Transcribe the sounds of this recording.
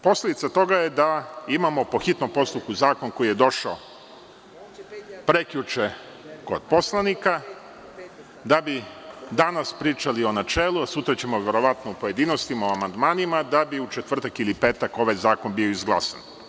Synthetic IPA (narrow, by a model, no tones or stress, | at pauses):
po̞sle̞d̪it̪sat̪o̞ɡaje̞d̪aimamo̞po̞xit̪nompo̞st̪upkuzaːko̞nko̞jije̞d̪o̞ʃao | pɾekʎut͡ʃe | ko̞̰d̪̥̚po̞slˠanika | d̪abid̪anaspɾiːt͡ʃalio̞nat͡ʃe̞ːlˠuasut̪ɾat͡ɕe̞moʋe̞ɾo̞ʋat̪noupo̞je̞d̪iːno̞st̪imaoamand̪maːnimad̪abiut͡ʃet̪ʋr̩t̪akilipe̞ːt̪ako̞ʋajzaːko̞nbio̞izɡlˠa̰sa̰n